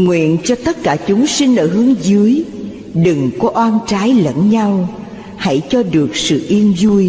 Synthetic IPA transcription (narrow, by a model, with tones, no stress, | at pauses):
ŋwḭ˧˨ənt͡ɕɔ˧t̪ə˦˥t̚kaː˧˩t͡ɕʊ˨˦ŋ͡msi˧n̟ʔəː˧˩ɦɨ˨˦əŋzɨ˨˦əj | ɗɨ˨˩ŋkɔ˨˦ʔwaː˧nt͡ɕaː˨˦jlə̰˧˥nɲa˧w | ha̰˧˥jt͡ɕɔ˧ɗɨ˨˩ək̚sɨ̰˧˨ʔi˧əmzu˧j